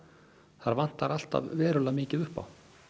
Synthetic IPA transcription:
θaɾvan̥t̪aɾal̥t̪a̰vvɛːɾʏlamɪːcɪðʏhpa̰w

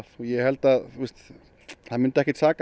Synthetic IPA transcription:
θujɛhɛlt̪aist̪ | hamʏnt̪ɛhkɪt͡sak

